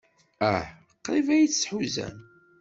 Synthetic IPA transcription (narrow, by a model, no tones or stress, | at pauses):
æħ | qːɾˤivæjit͡sːsħuzæ̰n